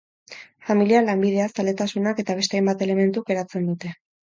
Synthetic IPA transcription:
familialambið̞e̞asald̪e̞t̪asunake̞t̪aβ̞e̞st̪eajmbat̪e̞le̞me̞nt̪uɡe̞ɾat͡se̞nd̪ut̪e̞

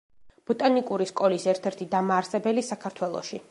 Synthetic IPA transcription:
b̥ɔt̪ʼanikʼuɾiskʼɔlisɛɾt̪ʰɛɾt̪ʰid̪amaːɾsɛbɛlisakʰaɾt̪ʰwɛlˠɔ̰ʃi

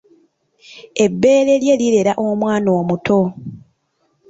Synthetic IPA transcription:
e̞bːe̞ːɾe̞lje̞liɾe̞ɾaʔomwaːnoːmutʰo̞

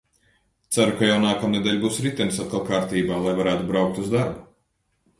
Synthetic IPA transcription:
t̪saɾukajawnaːkamned̪ʲeʎʲbuːsɾit̪ʲɛnisat̪̚kalˠkaːɾt̪iːbaːlˠajvaɾæːt̪ubɾawk̚t̪uzd̪aɾbu

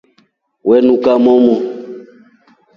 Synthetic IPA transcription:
wɛnũkamɔmɔ

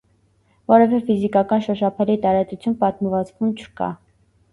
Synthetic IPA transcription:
vɔɾɛvɛfizikɑkɑnʃɔʃɑpʰɛlit̪ɑɾɑt͡s̪ut͡sʰjunpɑt̪məvɑt͡svunt͡ʃʰə̥kɑ̰

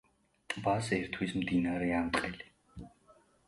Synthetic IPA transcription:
t̪ʼbasɛɾt̪ʰwismd̪inaɾɛamt̪ʼqʼɛli̥

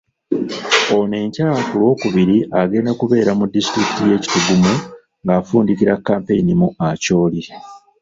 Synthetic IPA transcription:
one̞ːɲcaːakulwo̞ːkuβiɾiʔaɡe̞ːndakuβe̞ːɾamudːistɾiki̥tije̞ːci̥tuɡumu | ŋɡaːfuːndiciɾakːaːmpe̞jinimuʔaco̞ːli

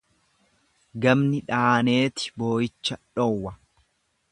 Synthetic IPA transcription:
ɡɐmnɪᶑaːne̞ːt̪ɪ̥bo̞ːjɪt͡ʃːɐᶑɔwːɐ

